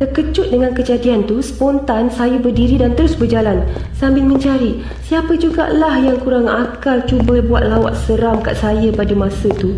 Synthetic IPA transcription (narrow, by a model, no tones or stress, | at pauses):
t̪ərkət͡ʃʊt̪̚dəŋankəd͡ʒadiant̪usə̥pɔnt̪ansajubərdiɾidant̪əɾʊsbərd͡ʒalan | sambɪlmə̃ɲt͡ʃaɾi | siapəd͡ʒuɡa̰ʔlahjaŋkuɾaŋakalt͡ʃubəbuat̪̚lawa̰ʔ̪səɾamka̰ʔsajəpadəmãsət̪u